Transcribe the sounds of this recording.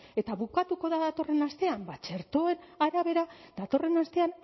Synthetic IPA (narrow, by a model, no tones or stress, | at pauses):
e̞t̪aβukat̪uko̞ðaðat̪o̞re̞nast̪e̞ambat͡ʃe̞ɾt̪o̞e̞naɾaβe̞ɾaðat̪o̞re̞nast̪e̞an